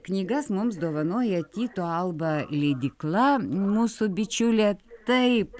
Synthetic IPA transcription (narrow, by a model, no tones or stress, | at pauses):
knʲiːɡɐsmʊmsd̪oːʋɐnoːjɛt̪ʲiːt̪oɐlˠbɐlʲɛːd̪ʲɪklˠɐmuːsʊbʲɪt͡ʃʲʊlʲɛt̪ɐɪp